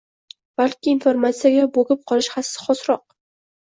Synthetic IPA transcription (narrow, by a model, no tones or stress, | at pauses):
b̥alkʲɪːnfoɾmat̪sijaɡʲaboɡʲɪp̚qʰɒlˠɪʃhasɪ̥χɒsɾɒq̚